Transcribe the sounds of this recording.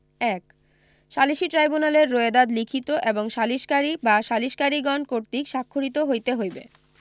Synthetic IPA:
ɛk | ʃaliʃiʈɾajbunaleɾːoed̪ad̪likʰit̪oʔeboŋʃaliʃkaɾibaʃaliʃkaɾiɡɔnkoɾt̪ikʃakʰːoɾit̪oɦojt̪eɦojbḛ

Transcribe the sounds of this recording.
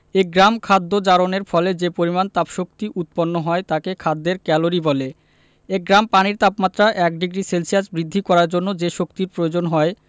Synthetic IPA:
eɡɾamkʰad̪ːod͡ʑaɾoneɾfɔled͡ʑepoɾimant̪apʃok̚t̪iʔut̪̚ponːoɦɔet̪akekʰad̪ːeɾkɛloɾibɔle | eɡɾampaniɾt̪apmat̪ːɾaʔɛk̚ɖiɡɾiselsiad͡ʑbɾid̪ʱːikɔɾaɾd͡ʑonːod͡ʑeʃokt̪iɾpɾood͡ʑonɦɔe

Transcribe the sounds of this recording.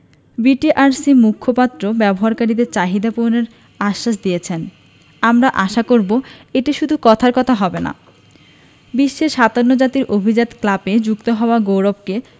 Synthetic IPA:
biʈiʔaɾsimukʰːopat̪ːɾobɛboɦaɾkaɾid̪eɾt͡ɕaɦid̪aponeɾ | aʃːaʃd̪ijet͡ɕʰen | amɾaʔaʃakoɾboeʈiʃud̪ʱukɔt̪ʰaɾkɔt̪ʰaɦɔbena̰ | biʃːeʃad̪aɾnod͡ʑat̪iɾʔobʱid͡ʑat̪klaped͡ʑukt̪oɦɔoaɡowɾobke

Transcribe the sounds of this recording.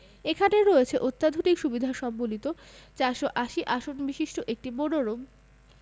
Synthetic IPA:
ekʰaneɾoet͡ɕʰeʔot̪ːad̪ʱoʈikʃubid̪ʱaʃɔbːolit̪o | t͡ɕaɾʃoʔaʃiʔaʃonbiʃiʃʈoʔek̚ʈiboɽoɾom

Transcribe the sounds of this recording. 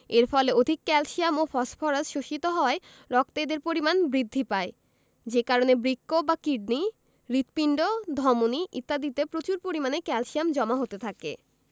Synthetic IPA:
eɾfɔleod̪ʱikːɛlʃiamofɔsfʰɔɾasʃoʃit̪oɦɔoae | ɾɔkt̪ajd̪eɾpoɾimanbɾid̪ʱːipae | d͡ʑekaɾonebɾikːobakiɖni | ɾit̪piɳɖod̪ʱɔmoniʔḭt̪ːad̪it̪epɾot͡ɕuɾpoɾimanekɛlʃiamd͡ʑɔmaɦot̪et̪ʰakḛ

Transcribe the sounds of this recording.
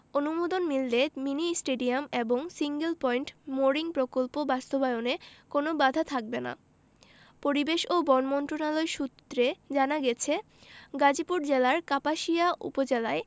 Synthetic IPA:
onumod̪onmilːeminisʈeɖiameboŋsiŋɡelpɔjɳʈmoɾiŋpɾokolpobast̪obaeonekonobad̪ʱat̪ʰak̚bena̰ | poɾibeʃobɔnmɔnt̪ɾonaloeʃut̪ːɾed͡ʑanaɡɛt͡ɕʰe | ɡad͡ʑipuɾd͡ʑelaɾkapaʃiaʔṵpod͡ʑelae

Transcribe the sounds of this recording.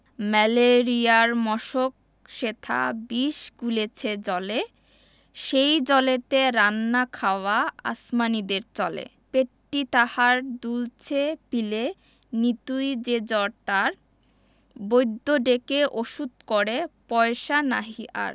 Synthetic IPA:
mɛleɾiaɾmɔʃok̚ | ʃet̪ʰa̰biʃɡulet͡ɕʰed͡ʑɔle | ʃejd͡ʑɔlet̪eɾanːakʰaoaa̰smanid̪eɾt͡ɕɔlḛ | peʈːit̪ahaɾd̪ult͡ɕʰepile | nit̪ujd͡ʑed͡ʑɔɾt̪aɾ | bojd̪ʱːoɖekeʔoʃud̪̚koɾepɔeʃana̰ɦiʔa̰ɾ

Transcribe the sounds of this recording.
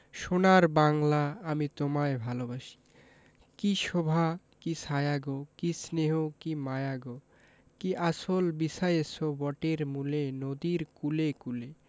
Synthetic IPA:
ʃonaɾbaŋlaamit̪omaebʱalobaʃi̥ | kiʃobʱa | kisajaɡokisneɦokimajaɡo | kiʔaʃolbisajesobɔʈeɾmulenod̪iɾkulekule

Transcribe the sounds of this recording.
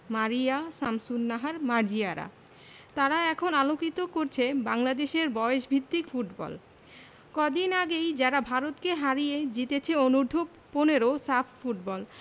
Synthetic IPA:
maɾijasamsunːaɦaɾmaɾd͡ʑiaɾa̰ | t̪aɾaɛkʰonalokit̪okoɾt͡ɕʰebaŋlad̪eʃeɾbɔeeʃbʱit̪ːikfuʈbɔ̰l | kɔd̪inaɡejd͡ʑaɾabʱaɾot̪keɦaɾijed͡ʑit̪et͡ɕʰeonuɾd̪ʱo | poneɾosafʰfuʈbɔl

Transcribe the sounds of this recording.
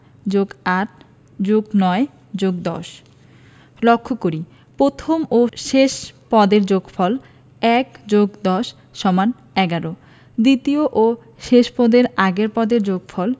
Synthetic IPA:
d͡ʑoɡaɾʰ | d͡ʑoɡnɔe | d͡ʑoɡ̚d̪ɔ̰ʃ | lokʰːokoɾi | pɾot̪ʰomoʃeʃpɔd̪eɾd͡ʑoɡfɔl | ɛkd͡ʑoɡd̪ɔʃ | ʃɔman | ɛɡaɾo | d̪it̪ioʔo | ʃeʃpɔd̪eɾaɡeɾpɔd̪eɾd͡ʑoɡfʰɔl

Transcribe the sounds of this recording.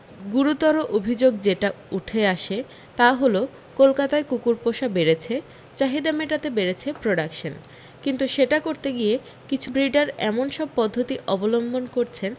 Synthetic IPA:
ɡuɾut̪ɔɾoʔobʱid͡ʑoɡ̚d͡ʑeʈa | uʈʰeaʃe | t̪aɦolo | kolkat̪aekukuɾpoʃabeɾet͡ɕʰe | t͡ɕaɦid̪ameʈat̪ebeɾet͡ɕʰepɾoɖakʃon | kint̪uʃeʈakoɾt̪eɡie | kit͡ɕʰubɾiɖaɾɛ̰monʃɔb̚pɔd̪ʱːot̪iʔɔbolombonkoɾt͡ɕʰen

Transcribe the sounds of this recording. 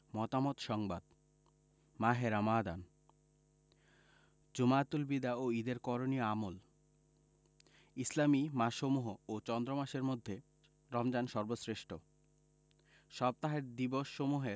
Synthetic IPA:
mɔt̪amot̪ʃɔŋbad̪ | maɦeɾamad̪a̰n | d͡ʑumat̪ulbid̪aoid̪eɾkɔɾonioamol | islamimaʃomuɦoot͡ɕɔnd̪ɾomaʃeɾmod̪ʱːe | ɾɔmd͡ʑanʃɔɾbosɾeʃʈʰo | ʃɔb̚t̪aɦeɾd̪iboʃːomuɦeɾ

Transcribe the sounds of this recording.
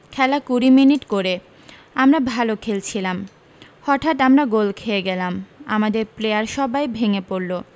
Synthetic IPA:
kʰɛlakuɾiminiʈkoɾe | amɾabʱalokʰelt͡ɕʰilam | hɔʈʰat̪amɾaɡolkʰeeɡɛlama̰mad̪eɾplejaɾʃɔbajbʱeŋepoɾlo

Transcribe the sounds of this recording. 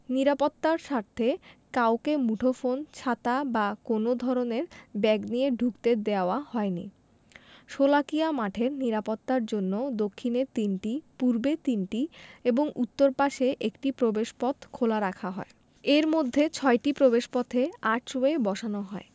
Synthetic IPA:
niɾapot̪ːaɾʃaɾt̪ʰekaokemuʈʰofont͡ɕʰat̪abakonod̪ʱɔɾoneɾbɛɡnijeɖʱukt̪ed̪eaoahɔenḭ | ʃolakijamaʈʰeɾniɾapot̪ːaɾd͡ʑonːod̪okʰːineɾt̪inʈipuɾbet̪inʈieboŋut̪ːoɾpaʃeʔekʈipɾobeʃpɔt̪ʰkʰolaɾakʰaɦɔ̰e | eɾmod̪ʱːet͡ɕʰɔeʈipɾobeʃpɔt̪ʰeaʈʰɾoebɔʃanoɦɔe

